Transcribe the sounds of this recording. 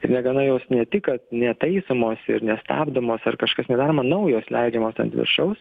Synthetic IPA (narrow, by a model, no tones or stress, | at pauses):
ɪɾnʲɛɡɐnɐjoːsnʲɛt̪ʲɪkɐt̪nʲɛt̪ɐɪsɐmoːsɪ̰ɾnʲɛst̪ɑ̰ːbd̪omoːsɐrkɐʃkɐsnʲɛd̪ɑːɾomɐnɐʊjoːslʲɛɪd͡ʒʲɛmoːsɐ̰nt̪ʲʋʲɪ̰ɾʃɐʊs